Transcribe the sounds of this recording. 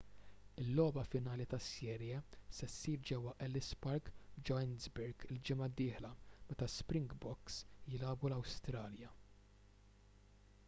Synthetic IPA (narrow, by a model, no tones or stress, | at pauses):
ɪlːɔːbɐfɪnɐːlit̪ɐsɛːɾjɛsɛsːiːɾd͡ʒɛwːɐʔɛlɪspɐɾkd͡ʒɔɛnzbɛɾɡɪld͡ʒɪmɐd̪ːɪːħlɐmɛt̪ɐspɾɪŋɡbɔksjɪlɐːbulɐwst̪ɾɐːljɐ